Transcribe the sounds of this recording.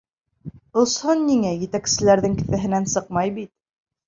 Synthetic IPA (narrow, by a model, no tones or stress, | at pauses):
ŏshɤnːiŋæjɘ̆t̪æksɘ̆læɾðɘŋkɘ̆θæ̆ɦɘ̆nænsɤq̚mɑjbit̪̚